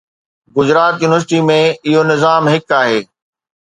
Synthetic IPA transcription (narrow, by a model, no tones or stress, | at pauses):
ɡʊzɾaːt̪juːnɪʋəɾs̬ɪʈimẽɪɦonɪzaːmɦɪkaːɦeː